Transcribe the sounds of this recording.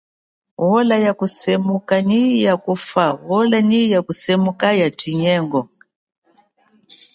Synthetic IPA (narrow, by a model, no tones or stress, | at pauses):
wɔlajakusɛmukaɲijakufawɔlanijakusɛmukajatiɲɛŋɡɔ